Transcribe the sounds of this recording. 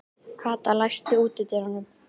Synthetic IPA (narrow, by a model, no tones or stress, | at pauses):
kʰvaːt̪alajst̪ɪuːt̪ɪt̪ɛɾanːʏm